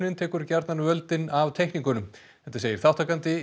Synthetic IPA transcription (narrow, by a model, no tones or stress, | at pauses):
nɪnt̪ʰɛːkʏɾcaɾt̪nanʏvœlt̪ɪnavt̪ʰejhkniŋkʏnʏm | θɛt̪aseːjɪɾ̥θawht̪ʰakant̪ɪ